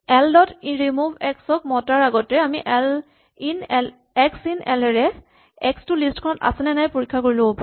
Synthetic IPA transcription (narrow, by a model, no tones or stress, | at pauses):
ɛldɔtiɹimubʱɛksɔk̚mɔtaɹaɡɔtɛamiʔɛl | inɛl | ɛksinɛlɛɹɛ | ɛkstʊlistkʰɔnɔta̰sɛnɛnajpoɹikʰːakoɹilobɔpa